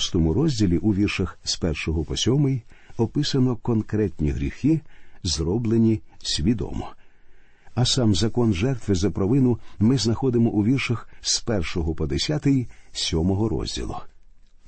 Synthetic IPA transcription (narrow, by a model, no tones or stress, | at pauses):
st̪ɔmʊɾɔzʲdʲilʲiʔuʋʲirʃɐxspɛrʃɔɦɔpɔsʲɔmɪj | ɔpɪsɐnɔkɔnkɾɛtʲnʲiɦɾʲixɪzrɔblˠenʲisʲʋʲid̪ɔ̰mɔ̰ | ɐsɑmzɐkɔnʒɛrt̪ʋɪzɐpɾɔʋɪnʊmɪznɐxɔd̪ɪmɔʔuʋʲirʃɐxspɛrʃɔɦɔpɔd̪esʲat̪ɪjisʲɔmɔɦɔɾɔ̰zʲdʲḭlˠʊ̰